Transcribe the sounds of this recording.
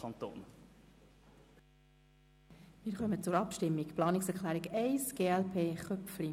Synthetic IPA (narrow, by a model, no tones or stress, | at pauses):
ɑnt̪o̰ːn | mɪːɾχœmət͡sʊɾɑpʃtɪmːikplɑːnɪksɛɾklæːɾiɡɛɪsɡ̥eːɛlpʰeːχœpfli